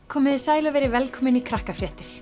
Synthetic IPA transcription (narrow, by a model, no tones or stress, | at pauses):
kʰɔːmɪðɪsaːjlavɛːɾɪvɛlkʰɔːmɪnikʰɾahkafɾjɛːht̪ɪɾ̥